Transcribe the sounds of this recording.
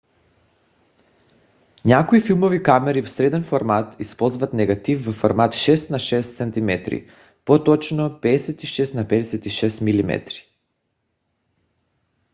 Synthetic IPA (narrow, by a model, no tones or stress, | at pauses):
ɲakoifilˠmɔvikamɛɾivɔsɾɛd̪ɛnfɔɾmat̪ispɔlˠzvat̪nɛɡat̪ifvɔfoɾmat̪ʃɛst̪naʃɛst̪sɛnt̪imɛt̪ɾḭ | pɔt̪ɔt͡ʃnɔpɛːsɛt̪iʃɛst̪napɛd̪ɛsɛt̪iʃɛst̪milimɛ̰t̪ɾi̥